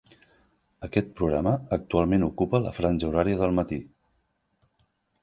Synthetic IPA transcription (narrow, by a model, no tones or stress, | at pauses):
əkɛt̪̚pɾuɣɾaməːk̚t̪ualˠmenukupələ̰fɾanʲʒəuɾaɾiəðəlˠmət̪i